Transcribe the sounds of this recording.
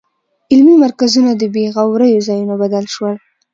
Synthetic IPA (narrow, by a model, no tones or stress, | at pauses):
ɪlmimaɾkazunad̪əbeɣawɾəjozɑjunobad̪alʃwəl